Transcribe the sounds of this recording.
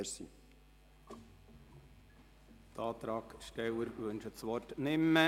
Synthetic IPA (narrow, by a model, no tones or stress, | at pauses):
sḭ | t̪ʰɑːt̪ɾɑːkʃtɛwəɾvɵnʃət͡sʋɔrtnɪmːə